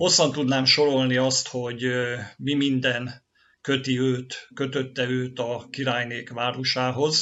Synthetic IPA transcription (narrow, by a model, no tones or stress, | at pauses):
ho̞sːɒnt̪ud̪naːmʃo̞ɾo̞lniɒst̪ho̞ɟmimind̪ɛn | kø̞t̪iøːt̪kø̞t̪ø̞t̪ːɛøːt̪ɒkiɾaːjneːkʋaːɾoʃaːɦo̞z